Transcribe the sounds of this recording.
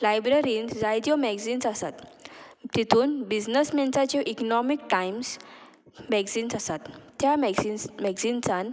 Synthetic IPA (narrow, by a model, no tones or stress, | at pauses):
lajbɾeɾiːnsd͡zajd̪jɔmɛɡd͡zinsasat̪t̪it̪ʰuːnbid͡znəsmɛnt͡sat͡ɕeʔiknɔmik̚ʈaims | mɛɡsinsasat̪ːjamimɛɡsinsan